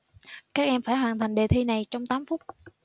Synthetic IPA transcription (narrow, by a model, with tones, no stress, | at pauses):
kaː˦˥k̚ʔɛ˧mfaː˧˩jhwaː˨˩nt̪ʰa˨˩jŋ̟ɗe˨˩t̪ʰi˧na˨˩jt͡ɕɔ˧wŋ͡mt̪aː˨˦mfʊ˦˥k͡p̚